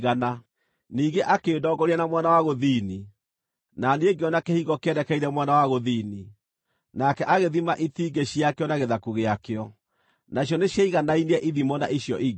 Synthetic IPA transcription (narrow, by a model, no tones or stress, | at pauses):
ɣana | niːɡeʔakeːdɔːɡɔɾiɛnamwanawaɣoðiːni | naneeɡeɔnakehiɣɔkeɛɾɛkɛiɾɛmwanawaɣoðiːni | nakɛʔaɣeðimaʔitiːɡeɕiakeɔnaɣeðakuɣeakeɔ | naɕ̬jɔneɕjaiɣanainɛʔiðimɔna̰ʔiɕjɔʔiɣ